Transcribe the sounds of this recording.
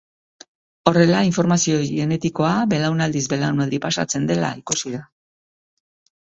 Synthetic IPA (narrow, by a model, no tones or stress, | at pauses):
o̞re̞laiɱfo̞ɾmasio̞ɣe̞ne̞t̪iko̞abe̞lawnald̪izbe̞lawnalɾipasa̰t͡se̞nd̪e̞la̰ikusiða